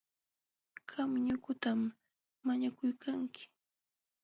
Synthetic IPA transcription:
kʰamɲʊkʊt̪amː | aɲakʊjkʰaŋkɪ̥

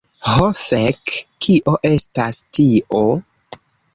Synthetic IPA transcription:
hofekːiʔo̞ʔe̞stastiʔo

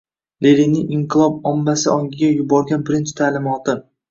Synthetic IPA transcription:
leɾinːɪɪɴqʰɨlˠɒb̚ɒmːasɪɒŋɡʲɪɡʲajʊbɒɾɡʲanbɪɾɪnt͡ʃʰɪ̥t̪ʰalɪmɒt̪ʰɪ

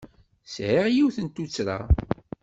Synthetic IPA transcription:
sʕiʁjiwθənt̪ut͡sːɾa̰

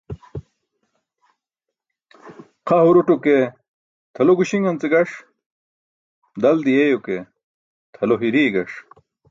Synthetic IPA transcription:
qʰɐhuɾuʈuke | t̪ʰɐloɡuɕiŋɡɐnt͡seɡɐʂ | d̪ɐld̪ijejoke | t̪ʰɐloɦiɾiːɡɐʂ

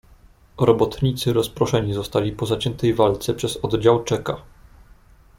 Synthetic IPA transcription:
ɾɔbɔt̪ɲit̪sɘɾɔspɾɔʂɛɲizɔst̪alʲipɔzat͡ɕɛnt̪ɛjvalt̪sɛpʂɛzɔd̪d͡ʑawt͡ʂɛka

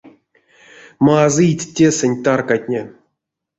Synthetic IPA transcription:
maːzɨjtʲtʲːesɛnʲt̪arkatʲnʲe

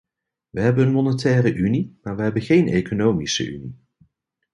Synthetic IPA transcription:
ʋəɦɛbənənmɔnətɛːrəʔynimaːɹʋəɦɛbənχejnḛkonowmisə̰ʔy̰nḭ

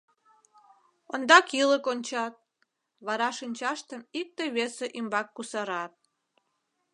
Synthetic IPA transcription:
ond̪ɑkiləkonʲt͡ɕɑt̪̚ | βɑɾɑʃinʲt͡ɕɑʃt̪əmik̚t̪əjβeseʔimbɑkːusɑɾɑt̪̚

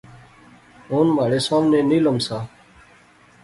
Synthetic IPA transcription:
oːnmaːɽeːsoːmneːniːləmsaː

